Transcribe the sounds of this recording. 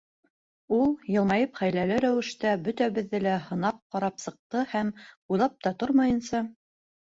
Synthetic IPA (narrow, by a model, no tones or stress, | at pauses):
ulˠjɤ̆lˠmɑjɤpχæjlælɘɾæwɘ̆ʃt̪æbɵt̪æβɘ̆ðːɘlæhɤ̆nɑp̚qɑɾɑpsɤ̆q̚t̪ɤhæmujlˠɑp̚t̪ɑt̪oɾmɑjɤ̆nsɑ